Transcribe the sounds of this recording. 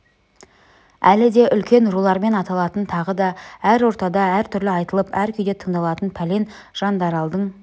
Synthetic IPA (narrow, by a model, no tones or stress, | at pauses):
ælɪd̪e̞ʔʏlkʲe̞nʒulˠɑɾme̞nɑt̪ɑlˠɑt̪ənt̪ʰɑʁəd̪ɑæɾwo̞ɾt̪ɑd̪ɑæɾt̪ʰʏɾlɪɑjt̪əlˠəpæɾkʲʰʏjd̪e̞t̪ʰəɴd̪ɑlˠɑt̪ənpʰæle̞n | ʒ̥ɑnd̪ɑɾɑlˠd̪əɴ